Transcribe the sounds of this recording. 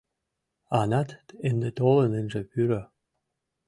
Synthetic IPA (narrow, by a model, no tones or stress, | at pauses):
ɑnɑt̪end̪et̪olə̆nɘ̆nʒĕpyɾø